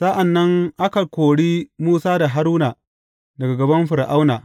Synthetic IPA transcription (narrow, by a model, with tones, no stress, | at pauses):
sa˦ʔa˨nːɐ˦ŋʔa˦kɐ˨kʷoː˨ɽiː˦muː˦saː˦da˨ɦa˦ɾuː˦na˨ | dɐ˨ɡa˨ɡɐ˨bɐ˦mɸɪ˨ɾʔa˦wnaː˨